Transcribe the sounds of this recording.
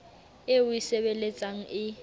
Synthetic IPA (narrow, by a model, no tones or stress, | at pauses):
ɪʊiseβelet͡sʼaŋ̩ɪ